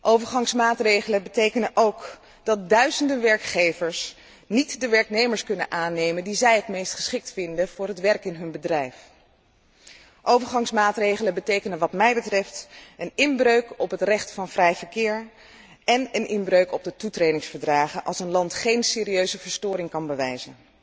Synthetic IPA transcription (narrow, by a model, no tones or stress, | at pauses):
ʔowvəɹχɑŋsmaːtrejχələnbətejkənəʔowk | d̥ɑt̚dœɥzəndəʋɛɹkχejvəɹs | nitdəʋɛɹknejməɹskɵnənʔaːnejməndizɛjɦətmejstχə̥sχɪk̚tfɪndəv̥ʊːɹɦətʋɛɹkɪnɦɵnbədrɛjf | ʔowvəɹχɑŋsmaːtrejχələbətejkənənʋɑtmɛjbətrɛftənɪnbrøɥkɔpɦətrɛχtfɑnvrɛjvəɹkɪːɹ | ɛnənʔɪnbrøɥkɔb̚dətutrejdɪŋsfəɹdraːχənʔɑlˠsənlɑntχejnsɪːɾiøɥzəvəɹstʊːɾɪŋkɑnbəʋɛjzən